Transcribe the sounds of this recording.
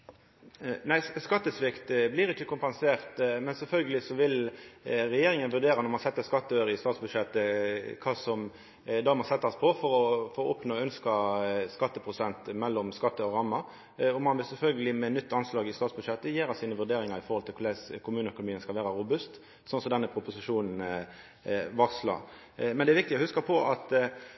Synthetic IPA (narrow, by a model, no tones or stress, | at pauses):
næɪskɑt̪ːəsʋɪkt̪blɪɾɪkːəkʰʊmpɛnseːʁt̪mɛnsɛlfœlɡəlɪsɔʋɪl | ɾɛjeːɾɪŋənʋʉʁd̪eːɾɑnɔɾmɑnsɛt̪ːəskɑt̪ːəøːɾəɪst̪ɑːt̪sbʉd̪ʃɛt̪ːəkʰɑːsɔm | d̪ɑmɑsɛt̪ːəspʰɔfɔɾɔfoɔpnoːœnskɑskɑt̪ːəpʰɾʊsɛnt̪mɛlːɔmskɑt̪ːəɔɾɑmːɑ | ɔmɑnʋɪlsɛlfœlɡəlɪmɛnʏt̪ːɑnslɑːɡɪst̪ɑːt̪sbʉd̪ʂɛt̪ːəjeːɾɑsiːnəʋʉʁd̪eːɾɪŋɑɾɪfɔɾhɔlt̪ʰɪlkʰʊd̪ɛskʰʊmʉːnəœkʊnʊmiːənskɑlʋeːɾɑɾʊbʉst̪ | sɔnsɔd̪ɛnːəpʰɾʊpʊsɪʂuːnn̩ | ʋɑʁslɑ̰ | mɛnd̪ɛɾʋɪkt̪ɪɔhʉskɑpʰɔʔɑt̪